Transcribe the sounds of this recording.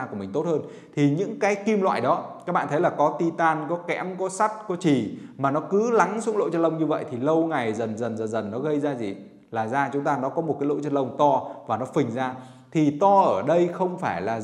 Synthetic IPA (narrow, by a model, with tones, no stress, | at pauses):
ku˧˩əmï˨˩ŋ̟t̪o˦˥t̚həː˧n | t̪ʰi˨˩ɲɨ̰˧˥ŋkaː˨˦jki˧mlwa̰ː˧˨jɗɔ˨˦kaː˦˥k̚ɓa̰ː˧˨t̪ʰə˨˦jlaː˨˩kɔ˨˦t̪i˧t̪aː˧nkɔ˨˦kɛ̰˧˥mkɔ˨˦sa˦˥t̚kɔ˨˦t͡ɕi˨˩maː˨˩nɔ˨˦kɨ˨˦la˨˦ŋsʊ̰˨˧˥ŋ͡mlo̰˧˨t͡ɕə˧nlə˧wŋ͡mɲɨ˧və̰˧˨jt̪ʰi˨˩lə˧wŋa˨˩jzə˨˩nzə˨˩nzə˨˩nzə˨˩nːɔ˨˦ɣə˧jzaː˧zḭ˨˩ | laː˨˩zaː˧t͡ɕʊ˨˦ŋ͡mt̪aː˧nɔ˨˦kɔ˨˦mo˨˩t̚kaː˨˦lo̰˧˨t͡ɕə˧nlə˧wŋ͡mt̪ɔ˧vaː˨˩nɔ˨˦fɨ̈˨˩ŋ̟zaː˧ | t̪ʰi˨˩t̪ɔ˧ʔəː˧˩ɗə˧jxə˧wŋ͡mfaː˧˩jlaː˨˩